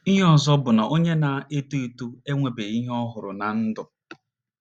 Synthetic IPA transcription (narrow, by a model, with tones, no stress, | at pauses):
i˦ɦe˦ɔ˦zɔ˦bʊ˨na˨ʔo˦ɲe˦na˨e˦tu˦i˨tu˦e˦ŋʷe˨be˨i˦ɦɔ˦ɦʊ˨ɾʊ̰˨na˨n̩˦dʊ˨